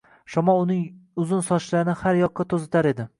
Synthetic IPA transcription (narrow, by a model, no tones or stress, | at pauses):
ʃɒmɒʊnɪŋʊzʊnsɒʃlaɾɪnɪhaɾjɒqːɑt̪ʰozɪt̪ʰaɾe̞d̪ɪ